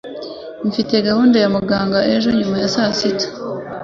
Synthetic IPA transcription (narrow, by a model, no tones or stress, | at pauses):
ɱfite̞ɡahuːndejamuɡaːŋɡaʔe̞ʒo̞ɲumajasasitḁ